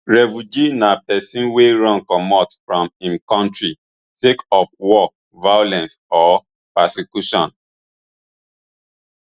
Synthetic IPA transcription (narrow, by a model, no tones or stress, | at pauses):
ɹɛfud͡ʒinapɛsĩnweɹɔ̃nkɔmɔtfɹɔ̃mĩnkɔ̃ntɹi | tekɔfwɔk̚ | vajolɛ̃nsɔ | pɛsikjuʃɔ̰̃n